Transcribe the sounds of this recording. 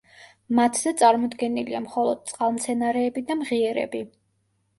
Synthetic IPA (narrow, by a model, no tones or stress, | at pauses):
mat̪ʰz̥ɛt̪sʼaɾmɔd̪ɡɛniliamχɔlˠɔd̪̥̚t̪sʼqʼalˠmt̪sʰɛnaɾɛːbid̪amʁiɛɾɛ̰bi